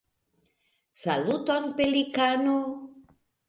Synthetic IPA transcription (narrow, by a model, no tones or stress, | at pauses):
salut̪onpelikano